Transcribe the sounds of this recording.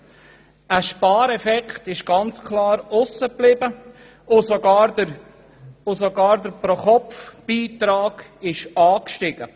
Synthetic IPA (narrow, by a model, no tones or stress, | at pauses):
əʃpɑːɾɛfɛkχtɪʃɡ̥ɑnt͡skʰlɑːɾʊsəplɪbə | ʊsoɡɑːɾə | ʊsoɡɑːɾdəɾpɾɔχɔpfb̥iːtɾɑːɡ̥ɪʃɑːkʃtɪɡ̥ə